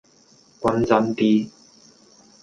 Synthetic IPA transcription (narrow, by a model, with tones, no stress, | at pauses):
kʷɐ˧nt͡sɐ˧nt̪iː˧